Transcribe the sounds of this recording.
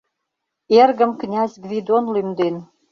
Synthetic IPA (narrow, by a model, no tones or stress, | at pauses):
erɣə̆mknʲæzʲɡvʲid̪onlymd̪en